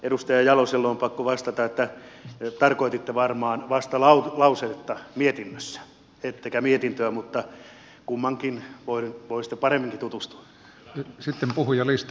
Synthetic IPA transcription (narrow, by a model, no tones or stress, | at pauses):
ʔedust̪ɑjɑjɑloselːoːmpɑkːoʋɑst̪ɑt̪ɑet̪ːæt̪ɑrkoit̪it̪ːeʋɑrmɑːnʋɑst̪ɑlɑutlɑuset̪ːɑmiet̪inːøsːæ̥ | et̪ːekæmiet̪int̪øæmut̪ːɑ | kumːɑŋkinʋoiʋoisi̥t̪ːe̥pɑremːiŋkit̪ut̪ust̪u̥ɑ | sit̪ːempuhujɑlist̪